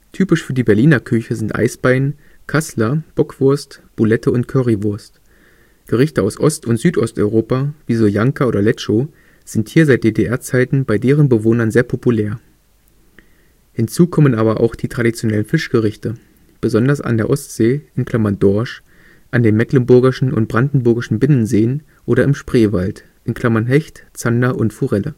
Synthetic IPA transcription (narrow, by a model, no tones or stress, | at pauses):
tʰyːpɪʃfyːɐdiːbɛɐliːnɐkʰʏçəzɪntʔa̰ɪsb̥aɪn | kʰaslɐb̥ɔkv̥ʊɐstb̥ulɛtʰəʊntkʰœʁivʊɐst | ɡ̥əʁ̞ɪçtəaʊsʔɔstʊntz̥yːtʔɔstʔɔʏʁoːpaviːzoːjaŋkaoːdɐlɛt͡ʃo | z̥ɪnthiːɐzaɪt̚d̥eːdeʔɛɐt͡saɪtn̩baɪdeːʁənbəvoːnɐnzeːɐpʰopuleːɐ | hɪnt͡suːkʰɔmənʔaːbɐʔa̰ʊxd̥iːtʁ̥adit͡sjonɛlənfɪʃɡ̥əʁ̞ɪçtə | b̥əzɔndɐsa̰ndeːɐʔɔstz̥eːʔɪnkʰl̥amandɔɐʃ | ʔandeːmɛklənbʊɐɡɪʃn̩ʊ̰nt̚b̥ʁandn̩bʊɐɡɪʃn̩bɪnənzeːən | ʔoːɾɐɪmʃpʁ̥eːvalt | ʔɪnkʰl̥amanɦɛçtt͡sandaʔʊntfuʁɛlə